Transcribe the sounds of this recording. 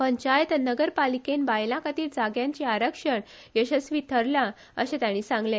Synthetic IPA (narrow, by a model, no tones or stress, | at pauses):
pəɲt͡ɕajt̪nəɡəɾpalikenbajlãkat̪iːld͡zaɡjãɲt͡ɕiaɾəkʂəɳ | jəɕəsʋit̪ʰəɾla | əɕẽt̪jaɽ̃iːsãŋɡle